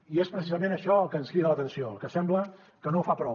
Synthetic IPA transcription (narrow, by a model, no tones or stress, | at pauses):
iespɾəsizəmẽnəʃɔəlˠkəːnskɾiðələt̪ənsioəlˠkəsɛmblə | kənofapɾɔ